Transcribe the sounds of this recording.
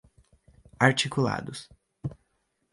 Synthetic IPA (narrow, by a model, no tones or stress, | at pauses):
aɾt͡ʃikula̰d̪ʊs